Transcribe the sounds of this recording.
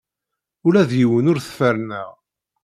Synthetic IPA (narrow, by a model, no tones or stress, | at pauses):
ʊɾæðjiwənʊɾθə̥fəɾnəʁ